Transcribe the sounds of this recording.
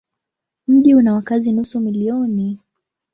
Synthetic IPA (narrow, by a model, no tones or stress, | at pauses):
m̩ʄiunawakazinusumiliɔni